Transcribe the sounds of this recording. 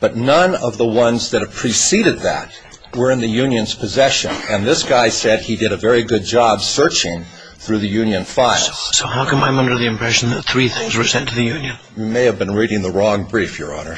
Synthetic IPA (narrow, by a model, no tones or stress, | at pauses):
b̥ʌtⁿnʌ̃nʌvðəwʌ̃nzðɨɾɨpʰɹ̥isiɾɨd̪̚ðɨ̰t̚ | wə˞ɨ̃nðɨjʉ̃njɨ̃nz̥pʰɨzɛʃɨ̰̃nɨ̃nðɪsɡ̥aɪsɛd̚idɨɾɨvɛɹiɡʊd̚d͡ʒɑbsɜ˞t͡ʃɪ̃ŋ | θɹʉðɨjʉ̃njɨ̃nfaɪlˠz̥soʊhaʊkʰʌ̃mãɪ̃mʌ̃ndə˞ðiɨ̃mpʰɹ̥ɛʃn̩ðɨt̪̚θɹiθɪ̃ŋzə˞sɛ̃ntʰɨðɨjʉ̃njɨ̃n | jɨmeɪɨvbɨ̃nɹiɾɪ̃ŋðəɹɔ̃ŋbɹifjə˞ɔ̰nə˞